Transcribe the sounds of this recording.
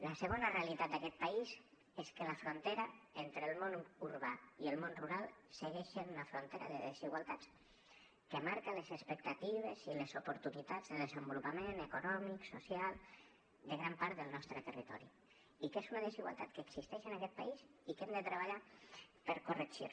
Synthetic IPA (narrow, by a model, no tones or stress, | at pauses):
lasəɣonarealit̪at̪̚d̪akɛt̪̚paiz | eskəlafɾont̪eɾaent̪ɾəlˠmonuɾβaielˠmonruɾalˠsəɣɛʃenunafɾont̪eɾa̰ðəðeziɣwalˠt̪at͡s | kəmaɾkalezəspək̚t̪at̪iβ̞ezilezupuɾt̪unit̪ad͡zðəlˠðezəmbulupamenekunɔmiksusjalˠ | d̪əɣɾampaɾt̪d̪əlˠnɔst̪ɾət̪ərit̪ɔ̰ɾḭ | ikezunaðeziɣwa̰lˠt̪at̪̚kəːksist̪ɛʃənakɛt̪̚paisikemd̪ət̪ɾəβaʎapəɾkurəksjo̰